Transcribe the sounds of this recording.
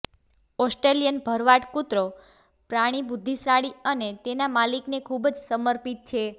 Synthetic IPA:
ɔsʈɾelijənbʱəɾʋaʈkut̪ɾo | pɾaɽ̃ibud̪ʱːisɾaɽiənet̪enamaliknekʰubd͡ʒsəməɾpit̪̚t͡ʃʰe

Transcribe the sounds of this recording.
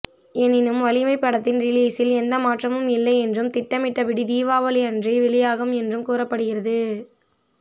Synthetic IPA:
ɛnɪnɯmʋɐlɪmɐɪpːɐɽɐt̪ːɪnɾɪliːsɪlɛnd̪ɐmaːʈrɐmɯmɪlːɐɪɛndrɯmt̪ɪʈːɐmɪʈːɐʋɪɽid̪iːʋaːʋɐlɪɐndriʋɪɭɪjaːɣɯmɛndrɯmkuːɾɐpːɐɽɯɣɪɾɐðɯ

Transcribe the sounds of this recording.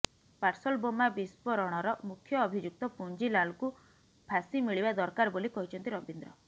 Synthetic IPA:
paɾsɔlbomabispɔɾɔɽ̃ɔɾɔmukʰjɔːbʱid͡ʒuk̚t̪ɔpund͡ʒilalku | bʰʱasimiɭibad̪ɔɾkaɾbolikɔɦit͡ʃʰɔnt̪iɾɔbind̪ɾɔ

